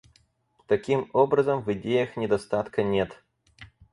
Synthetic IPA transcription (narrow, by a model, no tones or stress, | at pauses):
t̪ɐkʲimobɾɐzəmvɨdʲejɐxnʲɪd̪ɐst̪at̪kɐnʲet̪